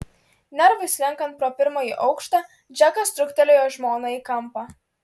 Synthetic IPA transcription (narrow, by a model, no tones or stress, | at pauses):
naɾvʊsʲlʲaŋkanpɾɔpɪɾmɔjiʔɔwkʃt̪a | d͡ʒakast̪ɾukt̪ɛlʲɛjɔʒmɔːnaikampa